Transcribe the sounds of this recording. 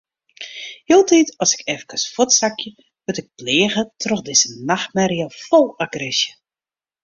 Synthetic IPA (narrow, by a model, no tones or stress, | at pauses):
hiːlˠtitɔsɪ̥kɛvəkəsfɔtsakjə | ʋʊtɪk̚pleːɣətrɔxdɪzənaxmɛɾjafɔlˠaɡrɪsjə